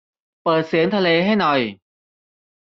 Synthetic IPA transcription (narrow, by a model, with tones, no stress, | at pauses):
pɤː˨˩t̪̚siː˨˩˦ənt̪ʰa˧leː˧ɦa˥˩jnɔ˨˩j